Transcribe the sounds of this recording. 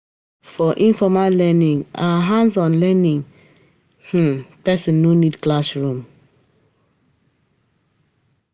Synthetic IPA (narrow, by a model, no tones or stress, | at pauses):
fɔʔĩnfɔmallɛnĩŋaɦãnzɔ̃nlɛnĩŋ | h̩pɛsə̃nːonidklaʃɹũm